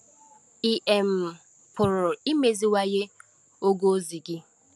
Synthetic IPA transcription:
i˨ʔe˨m̩˨ | pʰʊ˨ɾʊ˨i˦me˨zi˦wa˦je˦ | o˦ɡo˦zi˨ɡɪ˦

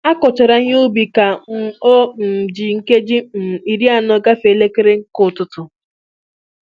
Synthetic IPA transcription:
a˦kɔ˨t͡ʃɔ˨ɾa˨ɲ˦ʊ˦bi˨ka˨˦o˦m̩˨d͡ʒi˨ŋ̩˦ke˦d͡ʒi˦m̩˨i˨ɾi˦a˨nɔ˨ɡa˦fe˨le˦ke˦ɾe˦ŋ̩˦kʊ˨tʊ˨tʊ˨

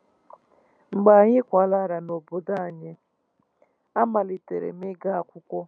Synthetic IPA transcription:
ŋ͡m̩˨ɡ͡ba˨a˨ɲɪ˦kʷa˨la˦˨ɾa˨no˨bo˨da˦a˨ɲɪ˦ | a˦ma˨li˨te˨ɾḛ˨mɪ˦ɡa˦a˨kʷʊ˦kʷɔ˦

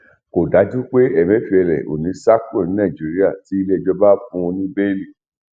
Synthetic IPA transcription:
ko˨da˨˦d͡ʒũ˦k͡pe˦ɛ˨mɛ̃˨˦fi˧ɛ˧ɾɛ̰˨ʔo̰˨nĩ˨˦sa˦kɾɔ̃˦˨n˨˦nã˦˨d͡ʒi˨˦ɾi˦a˦˨ti˨˦i˧le˦˧˨d͡ʒɔ˧ba˦fũ˧˦˧nĩ˦bɛ˦li˦˨

